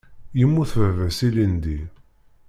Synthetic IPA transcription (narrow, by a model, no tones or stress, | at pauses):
jəmːuθvəvəsilind̪i